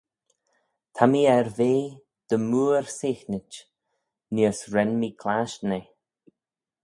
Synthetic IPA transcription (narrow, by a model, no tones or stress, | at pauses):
t̪ʰamiːɛɾveː | d̪̥əmuːɹsɪːxnɪt͡ʃ | niəsɾɛnmiːkʰlaʃne